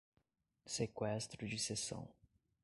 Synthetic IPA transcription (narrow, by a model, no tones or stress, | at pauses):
sekwɛst̪ɾʊd͡ʒɪsesɐ̰̃w̃